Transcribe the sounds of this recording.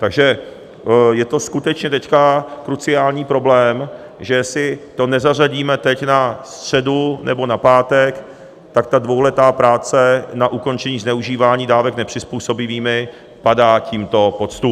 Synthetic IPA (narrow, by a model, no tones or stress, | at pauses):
t̪aɡʒɛ | jɛt̪o̞skut̪ɛt͡ʃɲɛt̪ɛckakɾut͡sɪaːlɲiːpɾo̞blɛːm | ʒɛsɪt̪o̞nɛzaraɟiːmɛt̪ɛcnast̪r̝̥ɛdunʔɛbo̞napaːt̪ɛk | t̪akt̪advowlɛt̪aːpɾaːt͡sɛnaʔuko̞nt͡ʃɛɲiːznɛuʒiːvaːɲiːdaːvɛknɛpr̥ɪspuːso̞bɪviːmɪ | padaːciːmt̪o̞pot͡st̪u